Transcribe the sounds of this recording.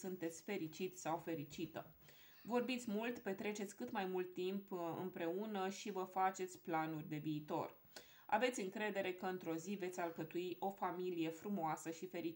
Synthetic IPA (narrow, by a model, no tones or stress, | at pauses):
sunt̪e̞t̪sʲfe̞ɾit͡ʃit̪sawfe̞ɾit͡ʃit̪ə | vo̞rbit̪sʲmult̪pe̞t̪ɾe̞t͡ʃe̞t̪sʲkɨt̪majmult̪ːimpɨ̰mpɾe̞unəʃivəfat͡ʃe̞t̪sʲplanurʲd̪e̞viːt̪o̞̰r | a̰ve̞t̪sʲɨŋkɾe̞d̪e̞ɾe̞kəɨnt̪ɾo̞zive̞t̪sʲalkət̪uiʔo̞familije̞fɾumoasəʃife̞ɾi